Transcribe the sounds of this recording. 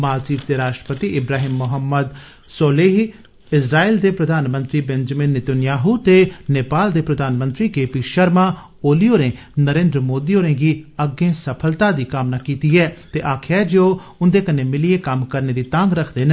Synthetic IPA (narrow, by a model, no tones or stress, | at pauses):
maːlt͡ʃiːpd̪eːɾaːʃʈɾə̥pət̪iʔɪbɾaːɦiːmːʊɦəmːəd̪ | soːleːɦ | ɪsɾaːiːld̪eːpɾəd̪ʱaːnmə̃nt̪ɾiːbɛ̃nd͡ʒmɪnːɪt̪ənjaːɦut̪eːneːpaːld̪eːpɾəd̪ʱaːnmə̃nt̪ɾiːkeːpiːʃəɾmaː | oːlijoːɾẽː | nəɾẽːnd̪ɾəmoːd̪iːoːɾẽːɡiəɡːẽːsəpʰəlt̪aːd̪iːkaːmnaːkiːt̪iːɛːt̪eːʔaːkʰɛːd͡ʒoː | ʊnd̪eːkənːeːmɪlieːkəmkəɾneːd̪iːt̪ãŋɡɾəkʰd̪eːn